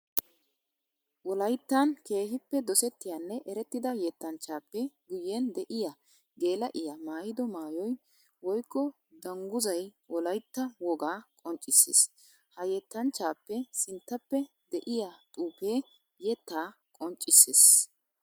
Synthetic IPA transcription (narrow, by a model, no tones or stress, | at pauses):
wɔlɐjt̪ːanke̞ːhɪpːɛd̪ɔsɛt̪ːɪjanːɛʔɛɾɛt̪ːɪd̪ɐjɛt̪ːɐnt͡ʃːaːpːɛɡʊjːend̪ɛʔɪja | ɡe̞ːlɐʔɪjamaːjɪd̪ɔmaːjɔj | wɔjkːɔ | d̪ɐŋɡʊzɐj | wɔlɐjt̪ːɐwɔɡaːkʼɔnt͡ʃʼɪsːḛːs | hɐjɛt̪ːɐnt͡ʃːaːpːɛsɪnt̪ːɐpːɛ | d̪ɛʔɪjat̪ʼuːpeː | jɛt̪ːaː | kʼɔnt͡ʃʼːɪsːes